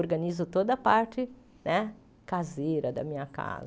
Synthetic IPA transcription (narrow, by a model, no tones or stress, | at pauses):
oɾɡɐ̃nizʊt̪od̪ɐpaɾt͡ʃɪ | nɛ | kazejɾɐd̪ɐ̰mĩɲɐka̰z